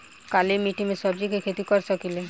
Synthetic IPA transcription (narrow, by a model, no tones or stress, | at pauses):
kalemiʈimesɔbd͡ʒikekʰet̪ikɔɾt͡ʃʰɔkile